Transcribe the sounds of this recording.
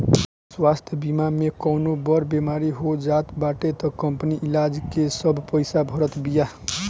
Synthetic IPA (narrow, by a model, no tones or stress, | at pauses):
swast̪ʰjəbimamekɔnobʌɾbemaɾiɦod͡ʒat̪baʈet̪ʌkəmpniʔilad͡ʒkesʌbʱpəjsabʱʌɾət̪bija